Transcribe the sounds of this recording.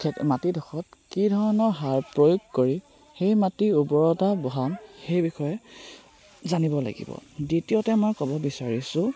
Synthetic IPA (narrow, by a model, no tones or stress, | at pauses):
kʰɛmatidʱɔxɔt̚kidʱɔɹɔnɔɹɦaɹpɹojuɡkoɹi | xejmatiubɔɹɔtabɔɦanxejbixɔjɛ | zanibɔla̰ɡḭbɔ̰ditijotɛmɔjkɔbɔbisaɹisʊ̃